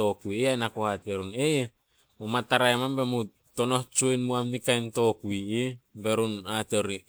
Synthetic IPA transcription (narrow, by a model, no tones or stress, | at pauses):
o̞kujeajnakohateɾune | omataɾaemambemu | to̞no̞ht͡ʃojnmuamnikajnto̞kujibe̞ɾunateɾi